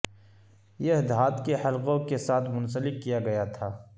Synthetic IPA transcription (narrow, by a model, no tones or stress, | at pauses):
jeɦd̪aːt̪kehɐlqõkesaːt̪ʰmʊnsəlɪkːijaɡɐjat̪ʰaː